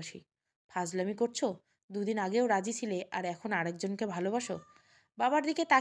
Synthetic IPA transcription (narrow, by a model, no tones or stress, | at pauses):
ʃḭ | pʰad͡ʑlamikoɾt͡ɕʰo | d̪ud̪inaɡeoɾad͡ʑit͡ɕʰileʔaɾɛkʰonaɽek̚d͡ʑonkebʱalobaʃo | babaɾd̪iket̪a